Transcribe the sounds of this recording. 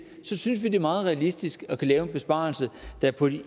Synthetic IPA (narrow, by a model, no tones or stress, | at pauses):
sɒ̽syns̬ʋid̥e̝mɑ̈ːð̞̩ˠʁɛælisd̥isɡ̥ɒ̽kʰælɛːʊb̥e̝sb̥ɑ̈ːl̩səd̥æɐpʰɒɾ̥i